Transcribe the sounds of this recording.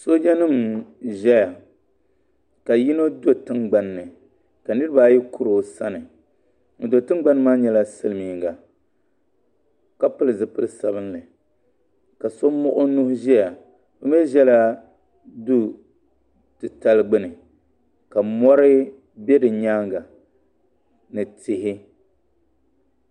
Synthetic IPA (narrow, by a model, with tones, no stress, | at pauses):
so˦d͡ʒa˦nɨ˦mʒɛ˦ja˨ | ka˨ji˦no˦do˦tɨ˦ŋɡ͡ba˨nːɨ˨ | ka˨nɨ˦ɾɨ˦ba˦ji˦ku˦ɾo˨sa̰˦nɨ˨ | ŋ̩˨do˨tɨ˦ŋ˦ɡ͡ba˦nː˦maː˦ɲɛ˦la˦sɨ˦lɨ˨miː˨ŋɡa˨ | ka˦pɨ˦lɨ˨zɨ˨pɨ˦lɨ˦sa˨bɨ˦nlɨ˨ | ka˨so˦m˦mʊ˦ʔʊ˦nu˦hʒɛ˦ja˨ | bɨ˦mɛ˦ʒɛ˦la˦ | du˦ | tɨ˨ta˦lɨ˦ɡ͡bɨ˦nɨ˨ | ka˨mɔ˦ɾɨ˦ | bɛ˦dɨ˨ɲaː˦ŋɡa˨ | nɨ˨tɪ˨ɦɪ˦